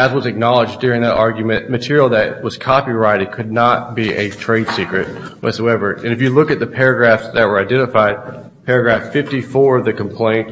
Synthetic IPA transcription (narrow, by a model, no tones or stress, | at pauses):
ɨzwʌzɨk̚nɑlˠəd͡ʒdʊɹɪ̃ŋðɨɾʔɑɹɡjmɨ̃nʔmɨtʰɪɹil̩ˠðɨt̚wʌz̥kʰɑpiɹaɪɾɨd̚kʰɨdⁿnət̚b̥iʔɨtʰɹ̥eɪd̥sikɹɨt̚ | wʌ̰tsoʊɛvə˞ɨ̃nɨfjɨlʊkɨt̪̚ðɨpʰɛɹɨɡɹæfsðɨt̚wə˞aɪdɛ̃ɾ̃ɨfaɪd̚ | pʰɛɹɨɡɹæfɪftifɔɹʌðɨkm̩pʰl̥ẽɪ̃nt̚